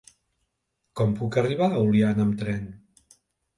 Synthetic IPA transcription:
kɔmpukəriβ̞aulianəmt̪ɾɛn

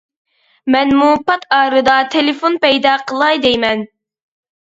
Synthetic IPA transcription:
mɛnmupʰɑt̪ʰɑːɾɨd̪ɑt̪ʰelɪfonpɛjd̪ɑqʰəlˠɑjd̪ejmɛn

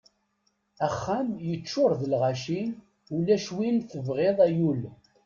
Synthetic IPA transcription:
æχːæmjət͡ʃːʊɾˤðəlʁaʃin | ulæʃwinθəvʁeðˤæjul

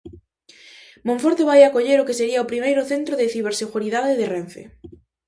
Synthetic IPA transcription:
mõɱfoɾt̪eβajakoʎeɾʊkeseɾiaopɾimejɾʊθent̪ɾoðeθiβ̞eɾseɣuɾiðaðeðeren̟θḛ

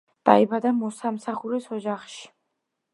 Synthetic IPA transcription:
d̪̥a̰ibad̪amɔsamsaχuɾisɔd͡ʒaχʃi̥

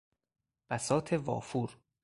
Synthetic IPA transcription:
b̥æsɒːt̪ʰevɒ̰ːfuːɾ

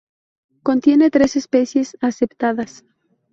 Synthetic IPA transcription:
kont̪jenet̪ɾesespeθjesasept̪aðas

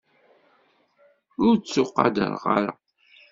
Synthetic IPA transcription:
ʊɾt͡sːʊqːɑ̰d̪ə̰ɾˤʁɑɾə̰

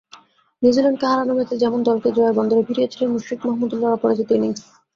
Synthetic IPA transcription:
nid͡ʑilonkeɦaɾanomet̪ed͡ʑɛmond̪ɔlked͡ʑoaɾbɔnd̪oɾebʱiɾijet͡ɕʰilenmuʃɾikmɔɦmud̪ulːaɾapɔɾad͡ʑit̪oeni

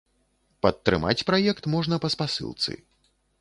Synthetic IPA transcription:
pɐt̪ːɾɨ̰ma̰t͡sʲpɾajɛkt̪mɔʐnɐpɐspasɨ̰lˠt̪sɨ̰

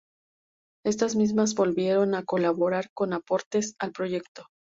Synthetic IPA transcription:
e̞st̪azmizmazβo̞lβje̞ɾo̞nako̞laβo̞ɾaɾko̞napo̞ɾt̪e̞salpɾo̞ʝe̞kt̪o̞

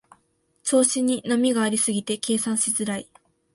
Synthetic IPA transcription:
t͡so̞ːɕiɲ̟inamʲiɡaːɾʲisɨɡʲit̪e̞ke̞ːsãɰ̃ɕizɨɾai

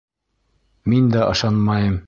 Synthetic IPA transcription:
mind̪ɒɤ̆ʃɑnmɑjɤm

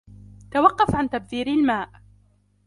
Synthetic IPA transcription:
t̪awɑqːɑfʕant̪ab̚ðiːɾɪlmaːʔ

